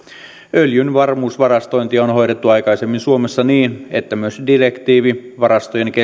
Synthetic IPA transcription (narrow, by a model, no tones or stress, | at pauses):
øljynʋɑrmuːsʋɑrɑst̪o̞jnt̪iɑonɦo̞jɾe̞t̪ːuɑjkɑjsemːinsuo̞me̞sːɑniːnet̪ːæmyøsdire̞kt̪iːʋiʋɑɾɑst̪ojeŋke